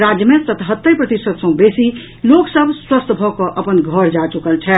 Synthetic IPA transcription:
ɾad͡ʒjəmẽt̪ət̪ɦət̪ːəjpɾət̪isət̪sə̃besi | loksəbʱswəst̪ʰbʱɔkɔʔəpənɡʱəɾd͡ʒat͡ʃukəlt͡ʃʰɛ

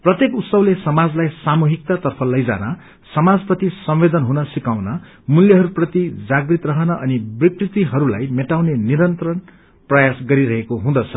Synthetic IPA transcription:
prʌt̪jekut̪sʌwlesʌmad͡zlajsamuɦik̚t̪at̪ʌrpʰʌlʌjd͡za̰nʌ | sʌmad͡zprʌt̪isʌmwed̪ʌnɦunʌsikawnʌ | muljʌɦʌɾuprʌt̪id͡zaɡrit̪rʌɦʌnʌʔʌnibrikrit̪iɦʌɾula̰jmeʈawneniɾʌnt̪ɾʌn | prʌjasɡʌɾiɾʌɦekoɦũd̪ʌt͡sʰʌ

